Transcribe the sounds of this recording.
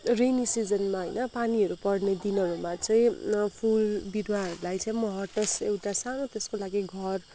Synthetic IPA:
renisid͡zʌnmaɦʌjnʌpaniʌɾupʌɽned̪inʌɾumat͡sʌĩpʰulbidwaɦʌɾulajt͡sʌĩmʌɦʌʈʌsewʈasanot̪eskolaɡiɡʱʌr

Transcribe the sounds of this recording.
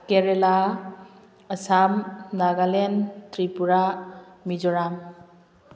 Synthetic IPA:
keɾela | əsamnaɡalentɾipuɾamid͡ʒɔɾam

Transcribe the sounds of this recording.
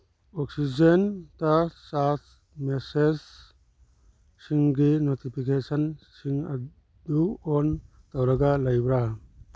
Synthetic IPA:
ɔksid͡ʒentasas | meses | iŋɡinotipʰikesɐnsiŋɐ̰ | d̪uɔn | tawɾɐɡalajbɾa

